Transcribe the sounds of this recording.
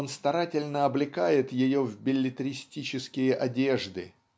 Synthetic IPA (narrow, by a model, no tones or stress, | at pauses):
onst̪ɐɾatʲɪlʲnəɐblʲɪkajɪt̪jɪjo̞vbʲɪlʲːɪt̪ɾʲɪsʲtʲit͡ɕɪskʲɪjəʔɐdʲe̞ʐd̪ɨ̰